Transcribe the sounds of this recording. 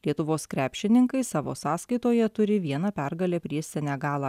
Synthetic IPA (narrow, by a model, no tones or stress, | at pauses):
lʲiɛt̪ʊʋoːskɾʲæːpʲʃʲɪnʲɪŋkɐɪsɑːʋo̰ːsɑːskɐɪt̪oːjɛt̪ʊɾʲɪʋʲiɛnɑːpʲɛɾɡɐlʲeːpʲɾʲiɛsʲɛnʲæɡɑːlˠɑː